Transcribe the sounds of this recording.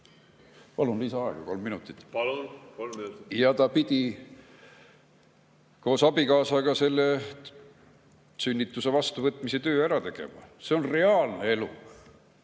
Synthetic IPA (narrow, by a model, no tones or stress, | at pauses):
pɑlunlisɑɑeɡ̥ɑ̰ko̞lmːinut̪ːˑit̪ːˑplukoljɑt̪ɑpid̪̥i | ko̞ːsɑbikɑːsɑkɑse̞lːe | synʲːit̪ːˑuse̞vɑst̪uvɤt̪ːˑmise̞t̪ø̞ːæɾɑt̪e̞ɡ̥e̞̰mɑ̰se̞o̞nre̞ɑːlne̞e̞lṵ